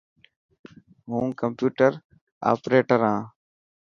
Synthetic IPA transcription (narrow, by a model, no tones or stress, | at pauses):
ɦũːkəmpjuːʈəɾ | a̰ːpɾeːʈəɾãː